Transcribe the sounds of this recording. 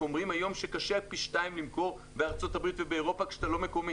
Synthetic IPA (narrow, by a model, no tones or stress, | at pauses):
omʁimajo̞mʃekaʃepiʃtaimlimko̞ʁ | beaʁt͡so̞tabʁitvebeːʁo̞pakʃt̪alo̞mekome